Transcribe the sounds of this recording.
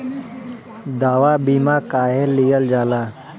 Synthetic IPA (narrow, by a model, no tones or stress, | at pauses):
d̪aːʋabiːmakaːɦelːijəld͡ʒaːlaː